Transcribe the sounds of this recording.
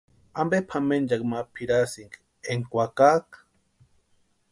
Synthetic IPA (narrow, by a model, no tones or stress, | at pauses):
ambepʰamend͡ʒakmapʰiɾasiŋɡ | eŋkʷakak